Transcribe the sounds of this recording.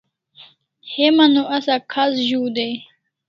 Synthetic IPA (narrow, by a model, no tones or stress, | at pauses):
hemanoʔasakʰasʑuːd̪ej